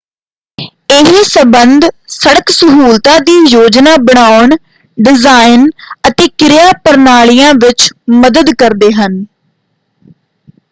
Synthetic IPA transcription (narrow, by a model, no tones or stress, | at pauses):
eɦiːsəbənd̪səɽəksəɦuːlt̪ãːd̪iːjoːd͡ʒnaːbəɳ̃aːʊɳ | ɖɪzaːɪnət̪eːkɪɾɪjaːpəɾnaːɭijãːʋɪt͡ʃməd̪əd̪kəɾd̪eːɦən